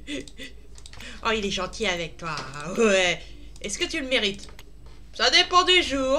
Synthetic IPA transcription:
ɔilɛʒɑ̃t̪ʰiavɛk̚t̪wawɛ | ɛskət̪yləmeʁit̪ | sad̪epɑ̃d̪eʒuːʁ

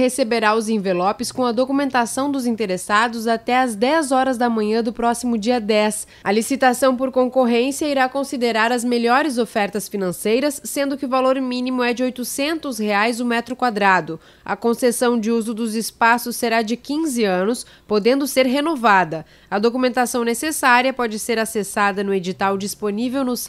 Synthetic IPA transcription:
hesebeɾaʊzẽvelɔpɪskõw̃ɐd̪okumẽnt̪asɐ̃w̃d̪ʊzĩnt̪eɾesad̪ʊzat̪ɛɐzd̪ɛzɔɾɐzd̪ɐmɐ̃ɲɐ̃d̪ʊpɾɔsimʊd͡ʒiɐd̪ɛs | ɐlisit̪asɐ̃w̃poɾkõkoɦẽsiɐiɾakõsid̪eɾaɾɐzmeʎɔɾɪzofɛɾt̪ɐsfinɐ̃sejɾɐsːẽnd̪ʊkɪʊvaloɾmĩnimʊɛd͡ʒɪojt̪ʊsẽnt̪ʊsheajzʊ̃mɛt̪ɾʊkwad̪ɾad̪ʊ | ɐ̰kõsesɐ̃w̃d͡ʒɪuzʊd̪ʊzɪspasʊsːeɾad͡ʒɪkĩzɪɐ̃nʊs | pod̪ẽnd̪ʊseɾɦenovad̪ɐ | ɐd̪okumẽnt̪asɐ̃w̃nesesaɾiɐpɔd͡ʒɪseɾasesad̪ɐnʊed͡ʒit̪awd͡ʒisponivewnʊs

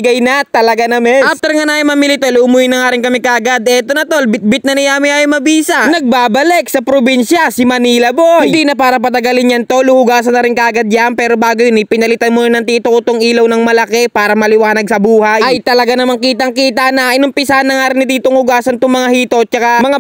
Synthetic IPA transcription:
ɡɐjnɐt̪ɐlɐɡanɐmɛaft̪ɛɾŋanaːjomɐmɪlɪt̪oliʊmuːjɪnːɐŋaːɾɪŋkɐmɛkɐʔɐɡad̪̚ɛt̪onɐt̪olbɪt̪̚bɪt̪̚nɐnɪjaːmɪaːjoŋmɐbiːsɐnɐɡ̚baːbɐlɛksɐpɾobinʃɐsɪmɐniːlɐboɪjd̪iːnɐpaːɾɐp̬ɐt̪̬ɐɡɐlɪnjɐnt̪o̞lʊhʊɡaːsɐnːɐɾɪŋkɐʔɐɡad̪̚janpɛːɾo̞baːɡojɪnipɪnɐlɪt̪ajmojnɐŋt̪iːt̪okɪt̪oŋiːlɐwnɐŋmɐlɐkɛpaːɾɐmɐlɪwaːnɐɡ̚sɐbuːhajɐjjt̪ɐlɐɡanɐmaŋkiːt̪ɐʔŋkiːt̪̬ɐnɐʔɪnʊmpɪsanɐŋaːɾɪnɪt̪iːt̪oŋhʊɡaːsɐnt̪oŋmɐŋahiːt̪ot͡ʃɐkamɐŋa

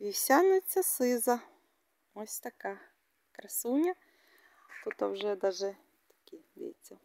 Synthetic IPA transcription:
iwsʲanɨt͡sʲɐsɨzɐ | vɔsʲt̪aka | kɾasunʲɐ | t̪ut̪ɐwʐɛd̪aʐɨ | t̪ḁkʲilʲḛt͡sʲɐ

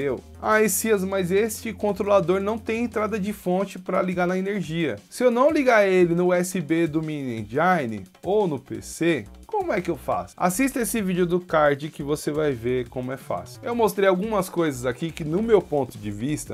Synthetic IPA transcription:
ew | aisiɐzmɐjzest͡ʃɪkõnt̪ɾolad̪oɾnɐ̃w̃t̪ẽj̃ẽnt̪ɾad̪ɐd͡ʒɪfõt͡ʃɪpɾɐliɡaɾnɐeneɾʒiɐsɪewnɐ̃w̃liɡaɾelɪnʊɛsɪbed̪ʊmĩnẽd͡ʒajnɪ̰ownʊpḛse | kõmʊɛkɪewfa̰sʊ̥a̰sist̪ɐesɪvid͡ʒʊd̪ʊkaɾd͡ʒɪkɪvosevajveɾkõmʊɛfa̰sɪwewmost̪ɾejawɡũmɐskojzɐzakikɪnʊmewpõnt̪ʊd͡ʒɪvist̪ɐ

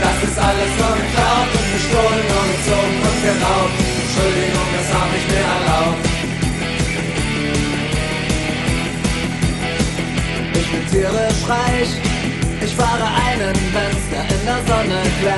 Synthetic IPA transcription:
d̥asɪstʔaləsnoɪɡlaʊv̥iʃtoənɔ | t͡so | ʊntv̥iːɐʁaʊf | ʃʊldɪɡʊŋdashaːbəɪçmeːɐɛlaʊp | ʔɪçb̥ɪntʰyːʁəʃʁaɪç | ʔɪçfaːʁəʔaɪnənfɛnstəʔɪndeːɐzɔnəklɛ

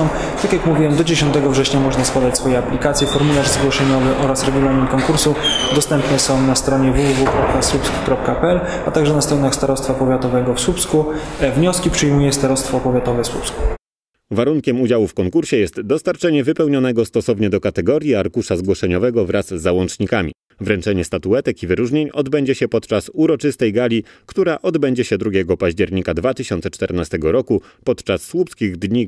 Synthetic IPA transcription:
t̪akjakmuvʲiwɛmd̪ɔd͡ʑeɕɔ̃nt̪ɛɡɔvʐɛɕɲamɔʐnaskwad̪at͡ɕʲsfɔjɛaplʲikat̪sʲjɛfɔɾmulaʐzɡwɔʂɛɲɔvɘʔɔɾasɾɛɡulanikɔŋkuɾsud̪ɔst̪ɛmpnɛsɔ̃w̃nast̪ɾɔɲɛvuvukɾɔp̚kasupskʲi̥kɾɔp̚kapɛɛl | at̪aɡʐɛnast̪ɾɔnaxst̪aɾɔst̪fapɔvʲjat̪ɔvɛɡɔfsupskuvɲɔskʲipʂɘjmujɛst̪aɾɔst̪fɔpɔvʲjat̪ɔvɛswṵpsku̥ | vaɾuŋkʲɛmud͡ʑawufkɔŋkuɾɕɛjɛst̪d̪ɔst̪aɾt͡ʂɛɲɛvɘpɛwɲɔnɛɡɔst̪ɔsɔvɲɛd̪ɔkat̪ɛɡɔɾʲjiaɾkuʂazɡwɔʂɛɲɔvɛɡɔvɾazzːawɔnt͡ʂɲikamʲḭ | vɾɛnt͡ʂɛɲɛst̪at̪uɛt̪ɛkivɘɾuʐɲeɲɔd̪bɛɲd͡ʑɛɕɛpɔt̪t͡ʂasuɾɔt͡ʂɘst̪ɛjɡalʲi | kt̪uɾaʔɔd̪bɛɲd͡ʑɛɕɛd̪ɾuɡʲɛɡɔpaʑd͡ʑɛɾɲikad̪vat̪ɘɕɔnt̪sɛt͡ʂt̪ɛɾnast̪ɛɡɔɾɔku | pɔt̪t͡ʂasːwupskʲiɣd̪ɲi

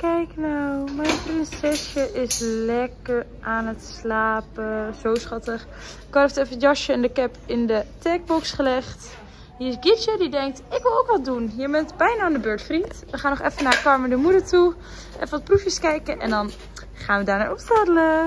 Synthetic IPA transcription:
kɛjknawmɛjnprɪnsɛʃəʔɪslɛkəɹ | ʔaːnətslaːpəzowsχɑtəχ | kɔrɛftɛfətjɑʃəɪndəkɛpɪndətɛk̚bɔksχəlɛχt | diɪsɡɪt͡ʃədidɛŋk̚tɪkʋɪlˠowkʋɑt̚dunjəbɛntbɛjnaːndəbøɹtfrintʋəχaːnːɔχɛfənaːkɑɹmədəmudəɹtu | ʔɛ̰fənʋɔt̚prufjəskɛjkəʔɛ̰ndɔn | χaːnʋədaːɹnaːɹʔɔpsadələ

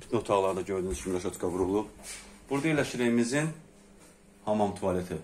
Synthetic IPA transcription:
t̪ʰnot̪ʰɑʁlˠɑɾd̪ɑɟøɾd̪ynizt͡ʃʰymlæʃɑt̪ɡɑvɾublˠub̥uɾd̪ɑeɾlæʃt̪iɾejmizin | hɑmɑmt̪ʰuɑlʲet̪ʰi

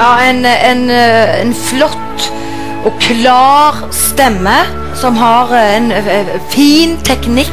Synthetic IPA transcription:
jɑːɛɪnɛɪnɛnflɔt̪ː | ʔɔkʰlɑːɾ | st̪ɛmːə | sɔmɦɑɾɛɪnfiːnt̪ʰɛknɪk

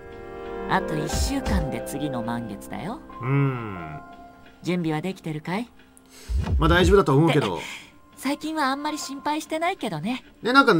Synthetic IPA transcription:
at̪o̞iɕːɨːkãnd̪e̞t͡sɨɡʲino̞mãŋɡe̞t͡sɨd̪a̰jo̞ɯ̃ | d͡ʑɨ̃mbʲiβ̞ad̪e̞kʲi̥t̪e̞ɾɯ̟kai | mad̪aiʑibɯd̪at̪oːmoɯke̞d̪o̞̰ | saikʲĩɰ̃ãːmːaɾʲiɕĩmpaiɕi̥t̪e̞naike̞d̪o̞ne̞ | ne̞nãŋka

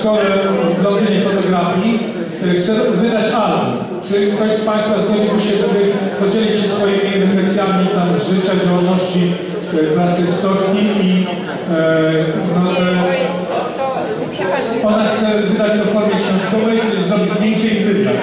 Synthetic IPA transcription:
kɔvɛd̪lɔnd̪ɪnɲɛjfɔt̪ɔɡɾafʲji | xt̪sɛvɘd̪at͡ɕalbu | t͡ʂɨt̪ɔjɛst̪paj̃st̪fat̪t̪ɔd̪ibɨɕɛʐɛbɘpɔd͡ʑelʲit͡ɕɕɛsfɔjimʲiɛspɛnt̪sʲjamʲit̪anʐɘt͡ɕavɔlnɔɕt͡ɕi | pɾasjɛst̪ɔskʲii | nɔ | ɔnaxt̪sɛvɘd̪at͡ɕpɔfɔɾmʲjɛt͡ʂɛ̃wsk̪ɔvɛjt͡ʂɨzɾɔbʲid͡ʑzd̪ʲjeɲt͡ɕɛipɘt̪a

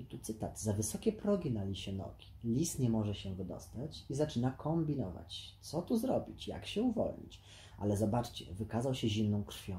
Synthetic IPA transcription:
it̪ut̪sɘt̪ad̪zavɘsɔkʲɛpɾɔɡʲinalʲiɕɛnɔ̰ɡʲilʲisɲɛmɔʐɛɕɛvɘd̪ɔ̰st̪at͡ɕizat͡ʂɘnakʰɔmbʲinɔ̰va̰t͡ɕt̪sɔt̪uzɾɔbʲit͡ɕja̰kɕɛuvɔ̰lɲḭt͡ɕ | ʔa̰lɛzɔbat͡ʂt͡ɕɛ̰vɘkazawɕɛʑimnɔ̃w̃kɾfʲjɔ̃w

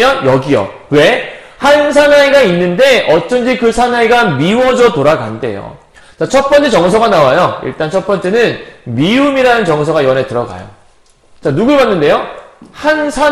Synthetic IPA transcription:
jʌnjʌɡijʌ̰ | we̞ | hansʰanaeɡainːɯnde̞ʔʌt͡ɕ͈ʌnd͡ʑikɯsʰanaeɡamiwʌd͡ʑʌtoɾaɡande̞̰jo̰ | t͡ɕat͡ɕʰʌt̚p͈ʌnt͡ɕ͈et͡ɕʌŋs̬ʰʌɡanawajoḭɭt͈ant͡ɕʰʌt̚p͈ʌnt͡ɕ͈enɯnmiumiɾanɯnt͡ɕʌŋsʰʌɡaiwʌne̞tɯɾʌɡa̰jo̰ | t͡ɕanuɡuɭbanːɯnde̞johansʰa

